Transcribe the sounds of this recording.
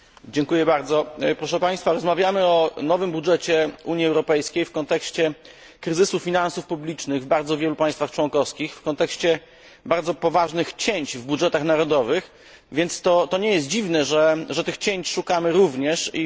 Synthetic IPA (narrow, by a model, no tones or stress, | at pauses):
d͡ʑɛŋkujɛbaɾd̪zɔpɾɔʂɛpaj̃st̪faɾɔzmavʲjamɘɔnɔvɘmbudʐɛt͡ɕɛuɲiɛwɾɔpɛjskʲejfkɔnt̪ɛkɕt͡ɕɛ | kɾɘzɘsufʲinansufpublʲit͡ʂnɘɣvbaɾd̪zɔvʲjɛlupajst̪faxt͡ʂwɔnkɔfskʲixfkɔnt̪ɛkɕt͡ɕɛ | baɾd̪zɔpɔvaʐnɘxt͡ɕeɲt͡ɕvbudʐɛt̪axnaɾɔd̪ɔvɘx | vʲjɛnt̪st̪ɔt̪ɔɲɛjɛst̪̚d͡ʑivnɛʐɛʐɛt̪ɘxt͡ɕeɲt͡ɕʂukamɘɾuvɲɛʂi